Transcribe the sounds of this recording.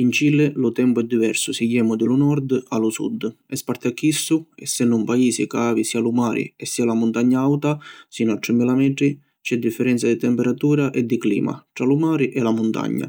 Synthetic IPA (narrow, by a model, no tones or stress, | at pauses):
int͡ʃilɪlʊt̪ɛmpʊɛd̪ːivɛ̰ɾsʊsijːɛːmʊd̪ɪlʊnɔɾd̪alʊsṵd̪ː | ɛspaɾt̪akːisːʊɛ̰sːɛnːʊmpaiːsikaːvisiːalumaːɾḭɛsːiːalamʊnt̪aɲːaawt̪asiːnʊat̪ːɾɪmːilamɛʈ̪ɾi | t͡ʃɛd̪ːifːɛɾɛnt̪sad̪it̪ɛmpɛɾat̪uːɾaʔɛd̪ːiklḭːma̰ʈ̪ɾalʊmaːɾiʔɛlamʊnt̪a̰ɲːa̰